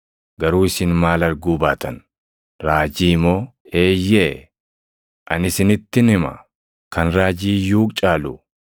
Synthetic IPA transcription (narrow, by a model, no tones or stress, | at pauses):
ɡɐɾuːɪsɪnmaːlɐɾɡuːbaːt̪ʰɐn | ɾaːd͡ʒiːmoː | eːjːe | ʔɐnɪsɪnɪt̪ːɪnɪmɐ̰ | kɐnɾaːd͡ʒiːjuːkt͡ʃʼaːlʊ